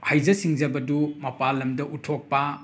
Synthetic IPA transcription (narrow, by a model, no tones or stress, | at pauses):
hajzɐsiŋzɐbɐdumɐpalːɐmdɐʔutʰok̚pɐ